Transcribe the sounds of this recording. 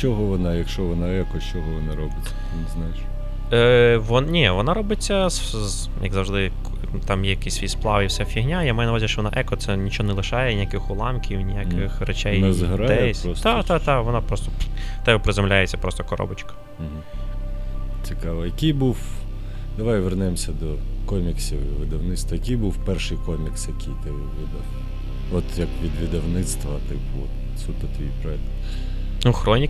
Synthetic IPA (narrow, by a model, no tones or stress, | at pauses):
t͡ʃɔɦɔʋɔnɑjɐkʃt͡ʃɔʋɔnɑɛkɔt͡ʃɔɦɔʋɔnɑɾɔbɪt͡s̪ʲ | ɪnɪznajɪʃ | ʋɔnnʲiʋɔnɑɾɔbɪt͡sʲːɐs | jɐ̰ɡzɐwʒd̪ɪ | t̪ɑmjɛjɐkisʲʋʲisplˠɑʋifsʲɛfʲiɦnʲajamajɛnɐʋazʲiʃt͡ʃɔʋɔnɑ̰ʔɛkɔt̪sɛnʲit͡ʃɔɔnɛlˠɪʃɑjɛnʲijakɪxʊlˠɑmkʲiwnʲijakɪxrɛt͡ʃɛjnɛzɦɾad̪ɛɔst̪at̪at̪ɑʋɔnɑpɾɔst̪ɔ̥t̪ɛbɛpɾɪzɔmlʲajet͡sʲːɐpɾɔst̪ɔkɔɾɔ̰bɐt͡ʃkɐ̥ɦ̩ | t͡sʲikɑʋɐjɐkijbuw | d̪̥ɐʋajʋernɪmsʲɐd̪ɔkɔmʲiksʲiʋɪd̪ɐwnɪt̪st̪ʋɐjɐkijbuwpɛrʃɨjkɔmʲiksjɐkʲijt̪ɪ | ʋɪd̪ɐw | ɔt̪jɐkʋʲid̪ʋʲid̪ɐwnɪt̪st̪ʋɐt̪ɪpʊɔt̪ | sut̪ɐt̪ɔjijpɾɔɛkt̪ʲ | nuxɾɔnʲi